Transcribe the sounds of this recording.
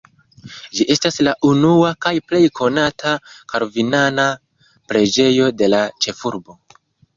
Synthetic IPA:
d͡ʒiʔe̞staslaʔunuakajple̞jkʰo̞natʰakaɾovinana | pɾe̞d͡ʒe̞jo̞de̞lat͡ʃe̞fuɾbo̞

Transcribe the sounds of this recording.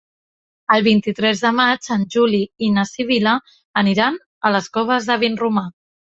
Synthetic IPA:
əlˠβint̪it̪ɾɛzðəmad͡ʒənʲʒuliinəsiβ̞iləː | niɾan | ələskɔβ̞əzðəβ̞inruma

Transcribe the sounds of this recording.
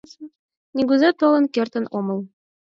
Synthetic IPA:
nʲiɡuzet̪olɤ̆nkert̪ə̆nomɤ̆lˠ

